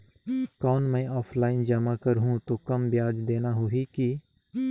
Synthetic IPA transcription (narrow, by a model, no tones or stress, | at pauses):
kɔːnmɛ̃ːʔɔːpʰlaːɪnd͡ʒɐmakəɾɦũt̪okɐmbjaːd͡ʒd̪eːnaɦoɦiki